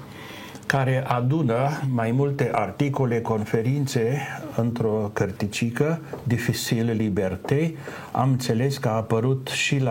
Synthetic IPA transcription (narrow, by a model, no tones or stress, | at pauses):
kaɾe̞ʔad̪unəmajmult̪e̞ʔart̪iko̞le̞ko̞nfe̞ɾint̪se̞ɨnt̪ɾo̞kərt̪it͡ʃikəd̪ifit͡ʃilːibert̪ej | a̰mɨnt̪se̞le̞skəaːpəɾut̪ʃil